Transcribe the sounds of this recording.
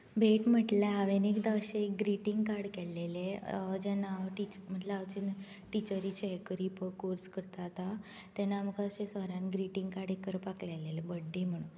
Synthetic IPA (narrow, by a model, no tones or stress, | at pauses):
bʱeʈm̤əʈlaaʋenikd̪əɕeek̚ɡɾiʈiŋɡkaɾɽkɛlːeled͡ʑɛnaʋʈit͡ɕm̤əʈlaaʋt͡ɕin | ʈit͡ɕəɾit͡ɕeekəɾipəkoɾskəɾt̪at̪a | t̪ɛnaːməkaɕesəɾãnɡɾiʈiŋɡkaɾɽekːəɾpaklɛlelebəɖːim̤əɽ̃un